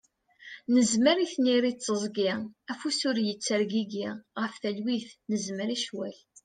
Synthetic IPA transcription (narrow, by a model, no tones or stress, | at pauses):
nəzməɾiθniɾit͡sːəzˤɡiæfusʊɾjət͡sːəɾɡiɡiʁəfθælwiθnəzməɾiʃwæl